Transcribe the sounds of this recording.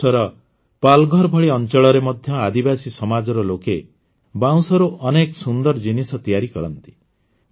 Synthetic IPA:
ɔɾɔ | palɡʱɔɾbʱɔɭiɔnt͡ʃɔɭɔɾemɔd̪ʱjɔad̪ibasisɔmad͡ʒɔɾɔloke | bãw̃sɔɾuʔɔneksund̪ɔɾd͡ʒinisɔt̪ijaɾikɔɭɔ̰nt̪i̥

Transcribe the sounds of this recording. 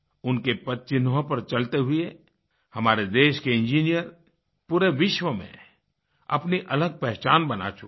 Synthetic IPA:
ʊnkepɐt̪̚t͡ʃɪnɦõpɐɾt͡ʃɐlt̪eɦʊe | hɐmaːɾed̪eːʃkeɪ̃nd͡ʒiːnijəɾ | puɾeʋɪʃwəmḛ̃ | ɐ̰pniʔɐləɡ̚pɛɦt͡ʃaːnbɐna̰t͡ʃʰu

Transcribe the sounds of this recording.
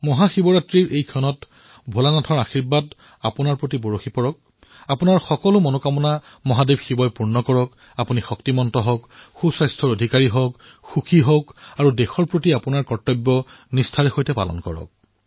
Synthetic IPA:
mɔɦaxibɔɹatɹiɹʔejkʰɔnɔt | bʱolanatʰɔɹaxiɹbad | apunaɹpɹotiboɹoxipɔɹɔk̚ | apunaɹxɔkɔlʊmɔnokamɔna | mɔɦadebʱxibɔjpuɹnɔkɔɹɔk | apunixɔktimɔntɔɦɔkxusajstʰɔɹodʱikaɹiɦɔk | xukʰiɦɔkaɹudexɔɹpɹotiapunaɹkɔɹtɔbːɔnistʰaɹɛxojtɛpa̰lɔ̰nkɔ̰ɹɔ̰k̚

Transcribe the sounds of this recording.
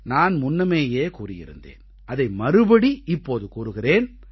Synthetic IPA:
naːnmʊnːɐmeːjeːkuːrɪjɪ̰ɾɯ̰nd̪ḛːn | ʔɐðɐɪmɐɾɯbɐɽiɪpːoːðɯkuːɾɯɣɪreːn

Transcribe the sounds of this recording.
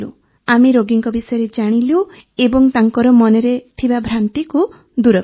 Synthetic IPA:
ṵ | amiɾoɡiŋkɔbisɔjɔɾed͡ʒaɽ̃ilewebɔŋt̪aŋkɔɾɔmɔneɾet̪ʰibabʱɾant̪iku | d̪uɾɔ

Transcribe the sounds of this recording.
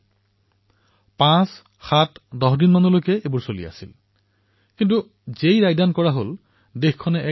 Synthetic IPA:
pãs | xatdɔɦdinmanolojkɛebuɹsolḭa̰sil | kint̬u | zejɹajdankɔɹaɦol | dexkʰːɔnɛʔɛ

